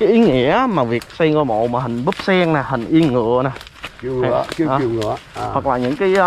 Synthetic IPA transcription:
kaː˨˦jʔi˨˦ŋḭ˧˥ə˧˦maː˨˩vi˨˩ək̚sɛ˧ŋkɔ˧˩mo̰˧˨maː˨˩hï˨˩ŋ̟ɓɨ˦˥p̚sɛ˧ŋnaː˨˩hï˨˩ŋ̟ʔi˧ənŋɨ̰˧˨ənaː˨˩i˧˨˧ki˨˦˨ŋɨ̰˧˩əwə˨˩k̚laː˨˩ɲɨ̰˧˥ŋkaː˨˦j

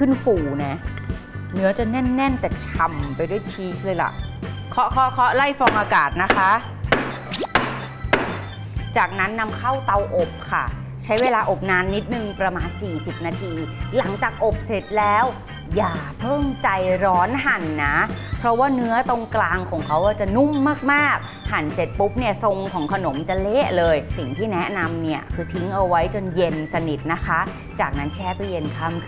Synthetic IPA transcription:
kʰɯ˥˩nfuː˨˩˦nɛ˦˥ | nɯ˦˥ɐt͡ɕa˨˩nɛ˥˩nːɛ˥˩nt̪ɛː˨˩t͡ɕʰa˨˩mpa˧jdu˥˩˨jt̪ʰiː˦˥t͡ɕʰlɤː˧jla̰˨˩ʔkʰɔ˦˥kʰɔ˦˥kʰɔ˦˥la˥˩jfɔː˧ŋʔaː˧kaː˨˩t̪̚na˦˥kʰa˦˥ʔ | t͡ɕaː˨˩k̚na˦˥nːa˧mkʰa˥˩wt̪a˧wʔo˨˩p̚kʰa˥˩ | t͡ɕʰa˦˥jweː˧laː˧ʔo˨˩p̚naː˧nːi˦˥t̪̚nɯ˨˩ŋpɾa˧maː˧nsiː˨˩si˨˩p̚naː˧t̪ʰiː˧la˩˦ŋt͡ɕaː˨˩k̚ʔo˨˩p̚se˨˩t̪̚lɛː˦˥w | jaː˨˩pʰɤː˥˩mt͡ɕa˨˧jɾɔː˦˥nɦa˨˩nːa˦˥pʰɾɔ˦˥waː˥˩nɯ˦˥ɐt̪o˧ŋklaː˧ŋkʰɔː˩˦ŋkʰa˦˥wʔaː˧˥˩t͡ɕa˨˩nu˥˩mːaː˥˩k̚maː˥˩k̚ | ha˨˩˦nse˨˩t̪̚pu˦˥p̚ni˥˩ɐso˧ŋkʰɔː˩˦ŋkʰa˧no˩˦mt͡ɕa˧leː˥˩ʔlɤː˧jsi˨˩ŋt̪ʰiː˥˩nɛ˦˥na˧mni˥˩ɐkʰɯː˧t̪ʰi˦˥ŋʔa˧wa˦˥jt͡ɕo˧nje˧nsa˧ni˨˩t̪̚na˦˥kʰa˦˥ʔ | t͡ɕaː˨˩k̚na˦˥nt͡ɕʰɛː˥˩t̪ɔ˥˩je˧nkʰa˥˩mkʰ

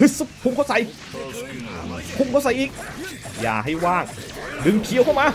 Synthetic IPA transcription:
ɯ˧˥sɯ˧˥kʰu˧ŋkʰa˧˥wsa˨˧˦j | ʔkʰu˧˥ŋkʰa˧˥˩wsa˨˦jʔiː˨˧˩k̚ja̰ː˨˩ɦa˥˩jwaː˥˩ŋdɯ˨˧ŋpʰi˨˦əwkʰa˥˩wmaː˧

